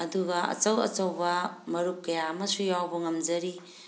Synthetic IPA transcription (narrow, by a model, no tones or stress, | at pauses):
ɐduɡɐɐ̰t͡ʃɐwɐ̰t͡ʃɐwbɐmɐɾuk̚kːɐjamɐsujawbɐŋɐmd͡ʒɐɾi